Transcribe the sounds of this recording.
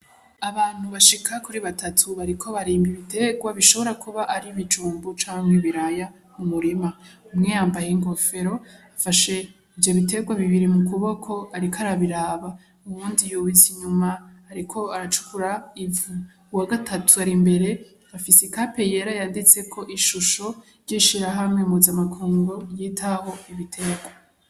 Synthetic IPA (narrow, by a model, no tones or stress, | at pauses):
aβaːn̥huβaʃikʰakuɾiβatʰatʰuβaɾikʰo̞βaɾiːmbiβite̞ɡwaβiʃo̞βo̞ɾakuβaʔaɾiβid͡ʒuːmbot͡ʃaːŋheβiɾaja | mumuɾimaumŋejaːmbajeŋɡo̞fe̞ɾo̞afaʃe̞ | ivjo̞βite̞ɡwaβiβiɾimukuβo̞kʰo̞aɾikʰaɾaβiɾaːβa | uβuːndijuβiziɲumaːɾikʰo̞aɾat͡ʃu̥kuɾaivu | waɡatʰatʰuaɾimbe̞ɾe̞ | afisekape̞je̞ɾajaːndit͡se̞kʰo̞ʔiʃuʃo̞ | ɾɟiʃiɾaɦamŋeumuzamakʰuːŋɡojiːtʰaho̞iβitʰe̞ɡwa